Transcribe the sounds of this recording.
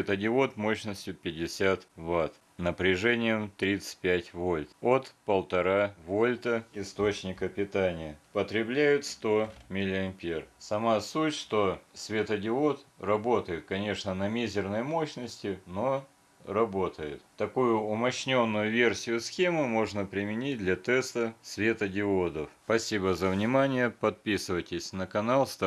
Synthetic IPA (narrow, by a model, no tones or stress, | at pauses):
et̪ɐdʲɪo̞t̪mo̞ɕnəsʲtʲjʊpʲɪdʲɪsʲat̪vat̪ | nəpɾʲɪʐɛnʲɪjəmt̪ɾʲit̪sɨ̥t̚ʲpʲætʲvo̞lʲt̪ot̪pəlˠt̪ɐɾavolʲt̪əɪst̪ot͡ɕnʲɪkəpʲɪt̪anʲɪjəpət̪ɾʲɪblʲæjʊt̪st̪o̞mʲɪlʲɪɐmʲpʲersɐmasutʲʂt̪o̞svʲet̪ɐdʲɪo̞t̪rɐbo̞t̪əjɪt̪̚kɐnʲe̞ʂnənɐmʲezʲɪrnəjmo̞ɕnəsʲtʲɪno̞ | rɐbo̞t̪əjɪt̪t̪ːɐkujʊʊmɐɕnʲo̞nːʊjʊvʲe̞rsʲɪjʊsxʲemɨmo̞ʐnəpɾʲɪmʲɪnʲit̚ʲd̪lʲɐt̪ɛst̪əsvʲe̞t̪ɐdʲɪod̪əfpɐsʲibəzəvnʲɪmanʲɪjəpɐt̪̚pʲisɨvətʲɪsʲnəkɐnalˠst̪